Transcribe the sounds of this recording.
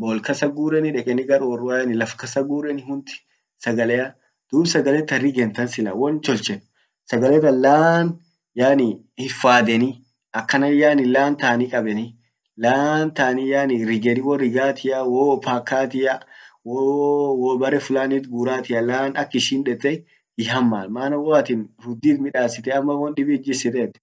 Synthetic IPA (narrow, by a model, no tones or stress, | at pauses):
boːlkɐsɐɡuːɾɛnɪᶑɛkʼɛnɪɡɐɾoːrʊanɪlɐfkɐsɐɡuːɾɛnɪɦʊnt̪ɪ̥ | sɐɡɐlɛjɐ | d̪̥uːbsɐɡɐlɛt̪ːɐrːɪɡɛnt̪ɐnsɪlɐ̰wɔnt͡ʃɔlt͡ʃɛn | sɐɡɐlɛt̪ɐlaːn | jaːnɪ | hɪfːaːd̪ɛnɪ | ʔɐkːɐnɐjaːnɪlaːnt̪aːnɪkʼɐbɛnɪ | laːnt̪aːnijaːnɪɾɪɡɛnɪwɔɾɪɡaːt̪ɪʔɐwopaːkːaːt̪ɪʔɐwowɔbɐɾɛfʊlaːnit̪ɡuːɾaːt̪ɪʔɐlaːnɐkːɪʃiːnᶑɛt̪ʼːɛ | ɪhɐmːaːnmaːnɐwɔɐt̪ɪnɾʊd̪ːiːt̪mɪᶑaːsɪt̪ɛɐmːɐwɔnɗɪbɪːd͡ʒɪsɪt̪ɛt̪ːɪ̥